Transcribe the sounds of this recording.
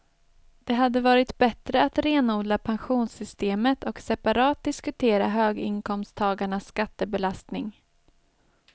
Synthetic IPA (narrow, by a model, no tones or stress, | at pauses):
d̪̥ɛɦad̪ːəvɑːɾɪt̪bɛt̪ɾəat̪ɾeːnuːd̪lapʰanɧuːnsʏst̪eːmət̪ɔksɛpaɾɑːt̪̚d̪ɪskɵt̪ʰeːɾa̰ɦøːɡɪ̰ŋkʰɔmst̪ʰɑːɡaɳasːkat̪ːəbɛlast̪nɪŋ